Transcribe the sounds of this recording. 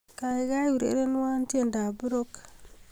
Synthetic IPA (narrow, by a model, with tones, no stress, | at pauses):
ka˨i˨ɡa˦jwu˨ɾḛ˦ɾe˦n˦wa˦nti˦e˨nda˨bi˦ɾo˦k